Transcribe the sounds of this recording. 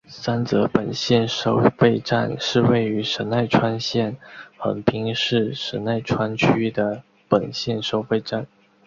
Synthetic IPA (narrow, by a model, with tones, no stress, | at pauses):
sa˥nt͡sɤ˧˥pə˨˩nɕjɛ˥˩nʂo˥ʊfe˥˧ɪʈ͡ʂa̰˥˧nʂɻ̩˥˧we˥˩ɪy˧˥ʂə˧˥nna˥˩ɪʈ͡ʂʰwa˥nɕjɛ˥˩nxə̰˧˥npʰi˥ŋʂɻ̩˥˩ʂə˧˥na˥˩ɪʈ͡ʂʰwa˥nt͡ɕʰy˥d̪ə˨ | pə˨˩nɕjɛ˥˩nʂo˥ʊfe˥˧ɪʈ͡ʂa˥˩n